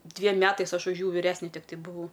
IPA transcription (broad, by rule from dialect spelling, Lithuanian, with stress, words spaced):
ˈdʲʋʲiɛm ˈmʲæːtɐɪs ˈɐʃ ʊʃ ˈjuː ʋʲɪˈrʲæːsʲnʲɛ ˈtʲɪktɐɪ bʊˈʋɐʊ